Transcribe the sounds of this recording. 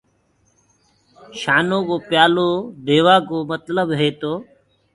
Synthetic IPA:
ʃaːnoːkoːpjaːloːd̪eːʋaːk̬oːmət̪ləbɦeːt̪oː

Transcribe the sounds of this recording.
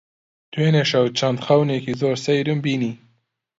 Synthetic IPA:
t̪weneʃawt͡ʃɑnt̪xawnekizoɾsajɾumbini

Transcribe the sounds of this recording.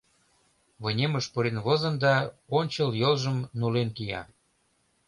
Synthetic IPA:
βɤnʲeməʃpəɾenβozə̆nd̪ɑonʲt͡ɕəljolʒəmnulenkijɑ̰

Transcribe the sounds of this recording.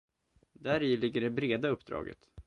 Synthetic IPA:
d̪æɾilɪɡːəɖɛbɾeːd̪aɵpːd̪ɾɑ̰ːɡə̰t̪

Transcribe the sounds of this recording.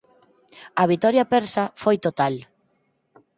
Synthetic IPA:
ɐβ̞it̪ɔɾjɐpɛɾsafojt̪ot̪al

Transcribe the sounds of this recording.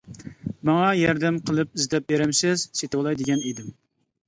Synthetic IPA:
mɑŋɑjɛɾd̪ɛmqʰəlˠɨp̚izd̪ɛp̚beɾɪmsɪz̥set̪wlˠɑjd̪ɪɡʲɛnid̪ɪm

